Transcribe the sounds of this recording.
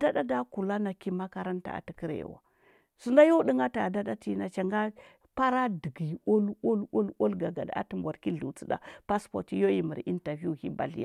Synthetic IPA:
da˦da˦da˦ku˨la˦na˨ki˦ma˦ka˦ɾa˦nta̰˨a̰˨ti˦ki˦ɾ̰wa̰˨ | su˦la˦jo˦ɗi˦ŋa˦ta˨da˦da˦ti˦na˨t͡ʃa˨ŋɡa˦ | pa˦ɾa˦di˨ɡi˨o˦lo˦lo˦lo˦lɡa˨ɡa̰˨da̰˦ti˨mbʷa˨ɾki˦ɮu˨t͡si˦da̰˨pa˦spo̰˨ɾti˦jo˦i˦˨mə˨ɾi˦nta˨vu˦˨hi˦ba̰˨ɮḭ˦a̰˨

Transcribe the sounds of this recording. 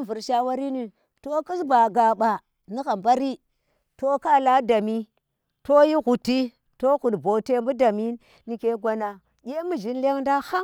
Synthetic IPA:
vu˨ɾʃa˦wa˦ɾi˦ni˨ | to˦ki˦sba˨ɡa˨ɓa˨ | ni˦xa˨mba˦ɾi˦ | to˦ka˦la˦da˨mi˦ | to˦ji˦xu˨ti˦ | to˦ɣu˨dbo˨te˦mbu˦da˨mi˦ | ni˨ke˦ɡʷa˨na˨ | ɡʲe˦mu˨d͡ʒi˦nle˦ŋnda˦ha˦

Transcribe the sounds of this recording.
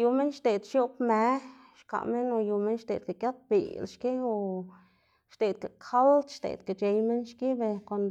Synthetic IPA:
ju˨me˦nʃt̪e˨d̪ʃjo˦pme˨˦ | ʃka̰˨me˦no˧ju˨me˦nʃt̪ḛ˨d̪ka˨kja˦t̪̚bḭ˨lʃki˦o˨ | ʃt̪e˨d̪̚ka˨kʰa˦lt̪ʃt̪ḛ˨d̪ka˨t͡ʃe˧jme˦nʃki˦be˧kʷa˧˨nd̪

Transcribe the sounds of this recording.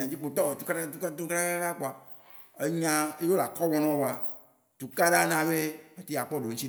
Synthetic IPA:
ã˨d͡ʒi˦k͡po˨t̪ɔ˦˨t̪u˦ka˦a˦tu˦ktu˦ka˦a˦ka˦ka˦k͡po˨a˨ | e˦ɲã˦e˦jo˦la˨kɔ˦wɔ̃˦nɔ̃˦wo˨a˨ | t̪u˨ka˦ɖa˦nã˨be˦me˨t̪i˦˨a˨k͡pɔ˦ɖo˨ŋ̩̃˦t͡ɕi˦

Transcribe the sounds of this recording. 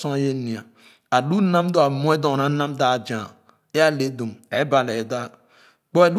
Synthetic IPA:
sõ˦a˦je˦ni˨a˨ | a˨lu˦na˦m˦do˨a˨mo˦e˦do˨na˦na˦mda˨d͡ʒa˨ | e˦a˦˨le˨˦do˨me˨˦ba˨le˨da˦ | k͡po˦e˨lu˦

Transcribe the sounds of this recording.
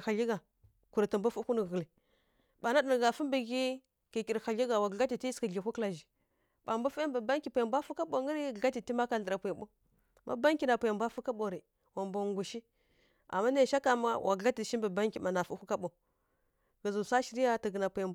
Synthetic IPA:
xa˨ɮi˦ɡa˨ | ku˨ɾtə˨mbu˦fu˦ku˦nə˨ɣə˨li˨ | ba˨na˦də˨ɡa˨fu˦mbə˨ɡi˦ | ki˨ki˨ɾxa˨ɮi˦ɡa˨wa˨ɡɡa˦ti˨ti˦skə˨ɮi˨kʷu˦kla˨ʒi˨ | ɓa˨mba˦fi˦mbə˨ba˦ŋki˨pʷu˨ja˨mbʷa˦fu˦ka˦ɓo˨ŋə˦ɾi˦˨a˦ti˨ti˦ma˦ka˨ɬə˨ɾa˨pu˨jbo˦ | mʔa̰˦ba˦ŋkʲi˦na˨pu˨ja˨mbʷa˦fu˦ka˦ɓo˨ɾi˨ | wa˨mbo˨ŋɡu˨ʃi˦ | a̰˨mːa˦ne˦˨ʃa˦ka˨ma̰˦wʔa˨ɡa˦ti˨ʃi˦bə˨ba˦ŋki˨ma˨na˨fu˦ku˦ka˦ɓo˨ | ɡə˨zu˨sa˦ʃi˨ɾi˦ja˦tə˨ɡə˨na˨pu˨ja˨m˦

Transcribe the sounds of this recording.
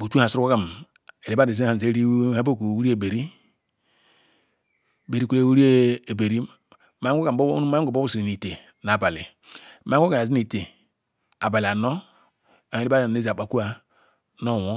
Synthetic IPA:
bu˨tu˦ha˨sɾu˦ko˦ka˨m | e˨ɾi˦ba˦di˨zha˨ze˦ɾi˦ha˦bo˦˨ku˨wu˦ɾi˦e˨be˨ɾi˦˨ | be˨ɾi˦ke˦˨wu˦ɾi˦˨be˨ɾi˦ | ma˦o˦ka̰˨˦ma˦ɡo˨bo˦bu˦si˨ɾi˨ni˨te˨ | na˨ba˨lḭ˨ | ma˦o˦ka˨zi˦ni˨te˨ | a˨ba˨li˨a˨no˦ | a˨e˨i˦ba˦˨e˦zi˨a˨k͡pa˨ku˦a˦ | no˦˨wo˦

